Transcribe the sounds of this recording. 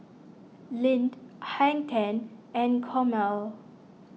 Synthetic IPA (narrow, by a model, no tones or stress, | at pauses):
lĩndhɛ̃ŋtʰɛ̃nɛ̃nkʰɔmɛl